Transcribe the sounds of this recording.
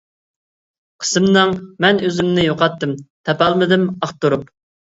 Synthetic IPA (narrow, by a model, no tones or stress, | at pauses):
qʰə̥sɨmnɨŋmɛnøzymnɪjoqɑt̪ːɨmt̪ʰɛpɑlˠmɨd̪ɪmɑχt̪uɾup